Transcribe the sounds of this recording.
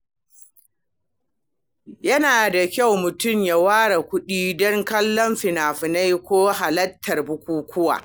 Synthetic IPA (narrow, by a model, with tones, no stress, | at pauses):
jɐ˦naː˨da˨kʲa˦˨wmʊ˨tʊ˦˨mja˦waː˦ɽa˨kʷʊ˦ɗiː˦dɔ˦ŋkɐ˦lːɔ˦mɸɪ˨naː˨ɸɪ˨na˦jkʷoː˦ɦa˨lɐ˦tʰːɐ˨rbʊ˦kʷuː˦kʷʊ˦wa̰ː˨